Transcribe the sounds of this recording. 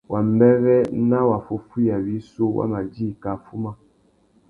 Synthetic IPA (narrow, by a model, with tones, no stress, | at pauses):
wʔa˨m˦bɛ˦ɣɛ˦na˦wa˨fo˨fu˦ja˨wi˦so˦wa̰˦ma˨di˦˨ka˨fu˦ma˦